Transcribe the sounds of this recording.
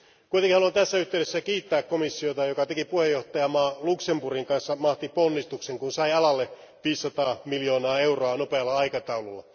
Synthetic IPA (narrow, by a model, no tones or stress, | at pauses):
kujt̪eŋkihɑluɑnt̪æsːæyht̪eyɾesːækiːt̪ːæːkkomisːiot̪ɑjokɑt̪ekipuhejːoht̪ɑjɑmɑːluksemburiŋkɑnsːɑmɑht̪iponːist̪ukseŋkunsɑiɑlɑlːe | ʋiːsːɑt̪ɑːmiljo̞ːnɑːe̞uroɑnopeɑlːɑɑikɑt̪ɑululːɑ̰